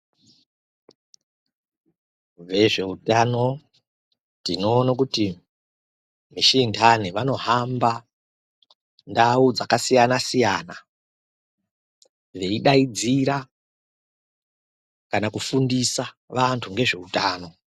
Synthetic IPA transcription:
ʋe̞ʐe̞utano̞ | tino̞ːnak̬uti | miʃindʰʱaniʋano̞ɦamba | ndaud͡zakasijanasijaːna | ʋe̞iɗaid͡ziɾa | kanakufundisaʋantʰuŋɡe̞ʐe̞utaːno̞

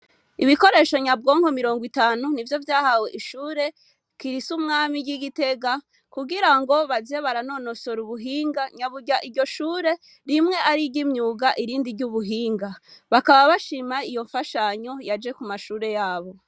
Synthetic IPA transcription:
iβiko̞ɾe̞ːʃo̞ɲab̚ɡoːŋho̞miɾo̞ːŋɡwitaːnunivjo̞vjaːhaweʔiʃuːɾe̞ | kiɾisumŋaːmiɡiɡite̞ɡa | kuɡiɾaŋɡo̞βazeβaɾano̞no̞so̞ɾuβuɦiːŋɡaɲaβuɟaʔiɾɟo̞ʃuːɾe̞ | ɾimŋe̞aɾiɟimɲuːɡaʔiɾiːndiɾɟuβuɦiːŋɡaβakaβaβaʃimaijo̞ɱfaʃaɲo̞jad͡ʒe̞kumaʃuːɾe̞jaːβo̞

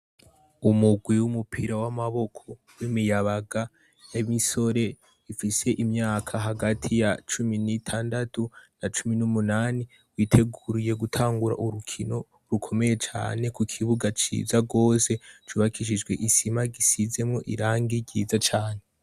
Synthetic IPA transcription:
umuɡwiwumupʰiɾawamaβo̞kʰo | wimijaβaɡa | jamiso̞ɾe̞ | ifise̞ʔimɲaːkʰaɦaɡatʰijat͡ʃuminitʰaːndatunat͡ʃuminumunaːni | wiːtʰe̞ɡuɾije̞ɡutʰaːŋɡuɾa̰ʔuɾukʰino̞ | ɾukʰo̞me̞je̞t͡ʃa̰ːne̞kukʰiβuɡat͡ʃḭːzaɡo̞ːse̞t͡ʃuːβakʰiʃ̬id͡ʒɡwe̞ʔisimaɡisize̞mŋo̞ʔḭɾaːŋɡiɡiːzat͡ʃaːne̞

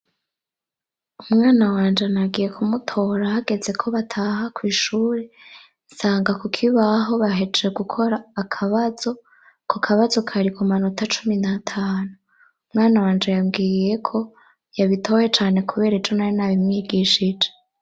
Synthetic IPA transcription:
umŋaːnawaːnd͡ʒenaɡije̞kʰumutʰo̞ɾahaɡe̞ze̞kʰo̞βatʰahakwiːʃuːɾe | nsaːŋɡakokʰiβaɦo̞βaɦe̞d͡ʒeɡukʰo̞ɾaːkʰaβazo̞ | kʰokʰaβazo̞kʰaɾikumanutat͡ʃuminatʰaːnu | umŋaːnawaːnd͡ʒe̞jamɡiːje̞kʰo̞ | jaβitʰo̞je̞t͡ʃaːne̞kuβe̞ːɾed͡ʒo̞najonaβimŋiːɡiʃid͡ʒe

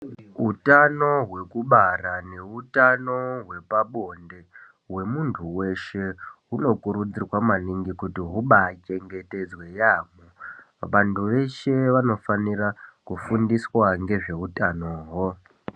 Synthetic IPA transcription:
ɦutano̞ɦwe̞kuɓarane̞utano̞ɦwe̞paɓo̞nde̞ | ɦwe̞muntʰuwe̞ʃe̞ɦuno̞kuɾud͡zirwamaniŋɡikutiɦuɓat͡ʃe̞ŋɡe̞te̞d͡zwe̞jamo | ʋantʰuʋe̞ʃe̞ʋano̞fanirakufundiswaŋɡe̞ʐe̞utanoːɦo

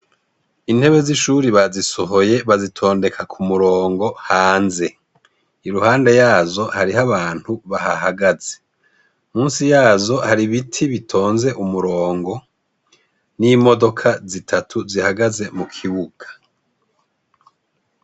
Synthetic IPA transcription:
in̥he̞βe̞ziʃuɾiβazisoɦo̞je̞βazitʰo̞ːnde̞kʰakʰumuɾoːŋɡo̞haːnze̞ | iɾuhaːnde̞jaːzo̞haɾihaβaːn̥huβaha̰haɡaze̞ | muːnsijaːzo̞haɾiβitʰiβitʰo̞ːnze̞ʔumuɾoːŋɡo̞ | nimo̞do̞kʰazitʰatʰuzihaɡaze̞mukʰiβuɡḁ

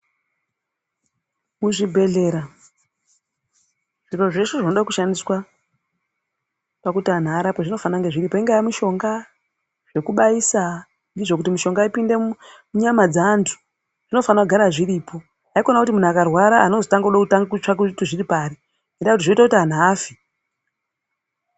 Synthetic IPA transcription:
muʐibʱe̞ɮe̞ɾa | ʐ̥iro̞ʐeʂeʐinoɗakuʃandiswa | pakutian̤aɾapoʐino̞fanaŋɡe̞ʐiripoiŋɡajamuʃo̞ŋɡa | ʐ̥e̞kuɓaisa | ndiʐo̞k̬utimuʃo̞ŋɡaipinde̞ | muɲamad͡zaːntʰu̥ | ʐ̥ino̞fanakuɡʱaɾaʐiriːpʰo̞ | aiko̞nakutimun̤uakarwaɾaano̞zotaŋɡauɗakutaŋɡaut͡ʃakutiʐiripaːɾi | endakutiʐoitakutan̤aːfi̥

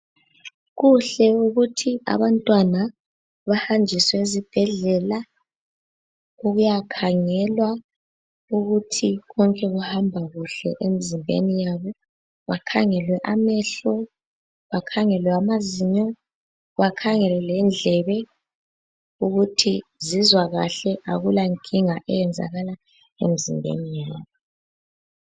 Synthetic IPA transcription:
ɣuɬɛuɣutʰia̰βantʼwana | βahand͡ʒʱiswɛizib̥ʱɛɮɛla | oɣujakʰaŋɛlwa | uɣutʰiɣɔŋkʼɛɣuhambʱaɣuɬɛ̰ʔemizimbʱḛnijaβɔ | ɣakʰaŋɛlwɛʔamɛɬɔ | ɣakʰaŋɛlwɛamaziɲɔ | ɣwakʰaŋɛlɛlɛnd͡ɮʱɛβɛ | uɣutʰizizwaɣa̰ɬɛʔaɣulaŋkʼiŋaʔɛjɛnd͡zʱa̰ɣala | ḛmizḭmbʱḛnijaːβɔ

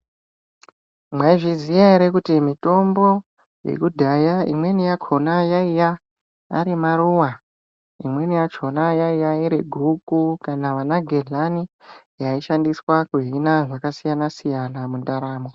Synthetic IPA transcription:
mwaiʐizijaiɾekutimito̞mbo̞ | jḛkudʱajaḭmwe̞nijakʰo̞najaija̰ː | ɾimaɾuwa | imwe̞nijat͡ʃʰo̞najaijaiɾeɡʱukukanaʋanaɡʱeɮani | jaiʃandiswakuɦinaʐakasijanasijanamundaɾaːmo

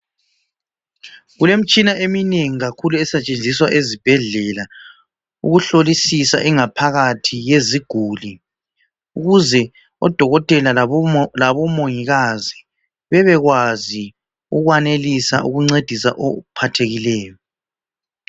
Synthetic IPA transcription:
ɣulem̩t͡ʃʼinaʔemineŋiɣakʰuluɛsɛt͡ʃʼend͡zʱiswaʔezib̥ʱɛɮɛla | uɣuɬolisisa̰ʔɛŋapʰaɣatʰijeziɡ̥ʱuli | uɣuzɛ | ɔd̥ʱɔɣɔtʼɛlalaβɔmoŋiɣazi | βɛβɛɣwazi | uɣwanelisa̰ʔuɣuŋ͡ǀed̥ʱisa̰ʔɔ̰pʰatʰeɣilɛːjɔ

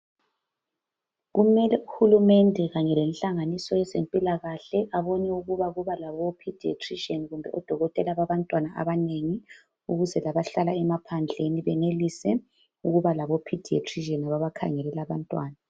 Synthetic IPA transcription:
ɣumɛlɛuhulumɛndʱɛɣaɲɛlenɬaŋanisɔjɛzempʼilaɣaɬɛʔaβoniuɣuβaɣuβalaβopʰid̥ʱiḛtʰʼriʒeniɣumbʱɛ̰ʔɔd̥ʱɔɣɔtʼɛlaβaβantʼwanaʔa̰βaneŋi | uɣuzɛlaβaɬalaɛmapʰand͡ɮʱeniβɛnelisɛ | uɣuβalaβopʰid̥ʱiḛtʰʼriʒenaβaβakʰa̰ŋɛlɛlaβantʼwaːna

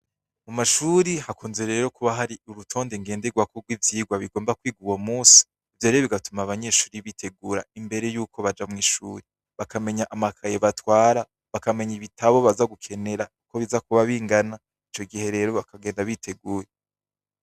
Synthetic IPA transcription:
mumaʃuɾihakʰoːnze̞ɾe̞ːɾo̞kuβaɦaɾiuɾutʰo̞ːndeŋɡe̞ːnde̞ɡwakoɡwivjiːɡwaβiɡo̞ːmbakwiːɡuwomuːsi̥ːvjoɾejoβiɡatumaβaɲe̞ːʃuːɾiβitʰe̞ɡuːɾa̰imbe̞ɾe̞juːko̞βad͡ʒamŋiːʃuːɾi | βakame̞ɲaʔamakʰajeβatwaːɾa | βakame̞ɲiβitʰaβo̞βazaɡukʰe̞ne̞ɾauko̞βizakuβaβiːŋɡana | it͡ʃo̞ɡihe̞ɾe̞ːɾo̞βakaɡe̞ːndaβitʰe̞ɡuːje

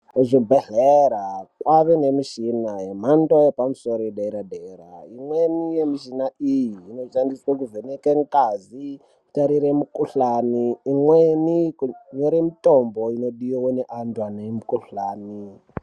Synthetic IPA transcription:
ʐibʱeɮeɾakwaʋenemiʃinajem̤antʼojepamusoɾoiɗeɾadeːɾa̰imwenijemiʃinaijiːnoʃandiswakuvenekeŋkʼazi | taɾiɾemukuɬaːniːmwenikuɲoɾemitʼomboinoɗiowoneʔantwanemukuɬaːni

